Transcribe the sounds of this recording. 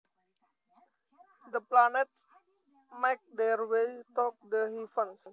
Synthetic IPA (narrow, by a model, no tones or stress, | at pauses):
d̪əplaneʈs | maɪk̚d̪eɾwetɔːk̚d̪əɦifə̃ns